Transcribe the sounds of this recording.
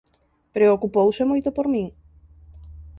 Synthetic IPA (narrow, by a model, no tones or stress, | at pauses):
pɾeokupowsemojt̪opoɾmĩŋ